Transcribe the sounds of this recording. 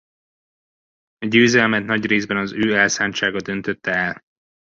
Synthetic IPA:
ɒɟøːzɛlmɛt̪nɒɟreːzbɛnɒzøːɛlsaːnt͡ʃaːɡɒd̪ø̞nt̪øt̪ːɛɛl

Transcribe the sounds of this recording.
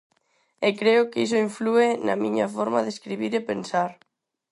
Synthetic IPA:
ekɾeʊkisʊiɱfluenɐ̰miɲɐfɔɾmaðeskɾiβiɾepensaɾ

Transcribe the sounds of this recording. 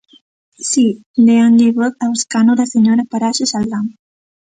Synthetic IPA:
si | leanʎeβot̪awskanoðaseɲoɾapaɾasesalɣam

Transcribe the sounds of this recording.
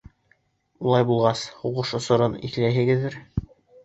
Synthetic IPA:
ulˠɑjbulˠʁɑshuʁɤʃŏsŏɾɤnḭθlæjɦɘ̆ɡɘ̆ðːɘɾ

